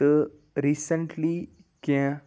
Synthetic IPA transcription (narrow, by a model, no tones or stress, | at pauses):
ə | ɾisə̃ɳʈli | kɛ̃